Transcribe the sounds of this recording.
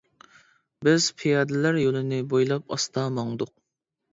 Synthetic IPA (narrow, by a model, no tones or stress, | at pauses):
bɪz̥pʰijɑːd̪ɪlæɾjolˠɨnɪbojlˠɑpɑ̰st̪ʰɑmɑŋd̪ʊq̚